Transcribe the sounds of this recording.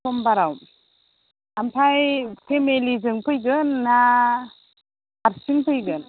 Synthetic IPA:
ɔmbaɾawm | ampʰajpʰemelizɯŋpʰɯjɡɯnːa | aɾsiŋpʰɯjɡɯn

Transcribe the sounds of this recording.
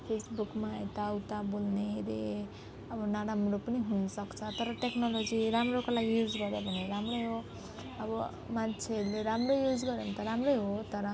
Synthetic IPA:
pʰesbukmaet̪awt̪abolneɾe | ʌbʌnaɾamropʌniɦunʌsʌkt͡sʰʌt̪ʌɾʌʈeknolod͡ziɾamrokolaɡijud͡zɡʌɾjebʱʌneɾamrojɦo | ʌbʌ | mant͡sʰeɦʌɾuleɾamrojud͡zɡʌɾjemt̪ʌɾamrojɦot̪ʌɾʌ

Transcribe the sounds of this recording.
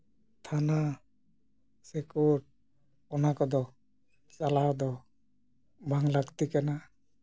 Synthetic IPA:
t̪ʰana | sekuʈ̚ | ɔnakɔd̪ɔ | t͡ʃalad̪ɔ | bʱaŋlaɡt̪ikana

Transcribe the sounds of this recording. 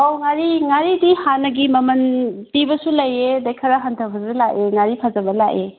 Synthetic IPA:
oŋaɾiŋaɾidihanːɐɡimɐmɐntibɐsulɐjedajkʰɐɾaɦantʰɐbɐsulaʔeŋaɾipʰazɐbɐlaʔe

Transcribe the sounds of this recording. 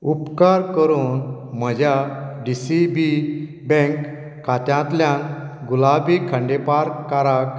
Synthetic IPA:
upkaɾkəɾuːnm̤əd͡ʑʱjaɖisibi | bɛ̃ŋkː | at̪jãt̪ljan | ɡulabikʰãɳɖepaɾkːaɾak

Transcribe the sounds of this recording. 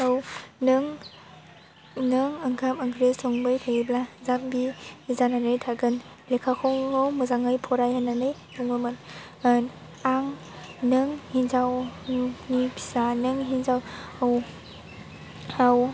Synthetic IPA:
awnɯŋ | nɯŋɯŋkʰamɯŋɡɾesoŋbɯjtʰaɡiblazambizananɯjtʰaɡɯn | lekʰakʰɔwawmɯzaŋɯjpʰɔɾajhananɯj | buŋɯmɯn | aŋ | nɯŋhinzaw | nipʰi̥sanɯŋɦinzawaw | aw

